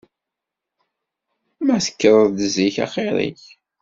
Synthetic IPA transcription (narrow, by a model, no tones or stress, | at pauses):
mæθə̥kːɾˤəðd̪əziçɑ̰χeɾˤḭç